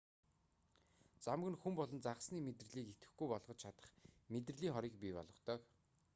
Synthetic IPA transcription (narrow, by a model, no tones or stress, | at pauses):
t͡samɡɘ̆nxumpɔɮɞ̆nt͡saʁə̆sniːmet̪r̆ɮiːket̪ɡɘ̆xɡujpɔɮʁɞ̆t͡ɕt͡ɕʰat̪ə̥̆χmet̪̬rɘ̆ɮiːŋχɔɾiːk̚pʲipɔ̰ɮʁɞ̆χt̪œːk